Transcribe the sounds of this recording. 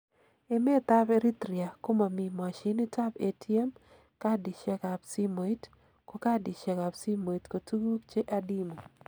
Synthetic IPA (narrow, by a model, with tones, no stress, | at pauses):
e˦me˦t̪a˦be˦ɾi˦t̪ɾi˨a˨ko˦ma˨mi˨ma˨ʃi˦ni˦ta˦be˨tʰi˦e˦m | ka˦di˨ʃe˦ka˨psi˦mo˨i˦t | ko˦ka˦di˨ʃe˨ka˨bsi˦mo˨i˨tko˨tu˦ɡu˦kt͡ʃe˦ʔa˦di˦mo˨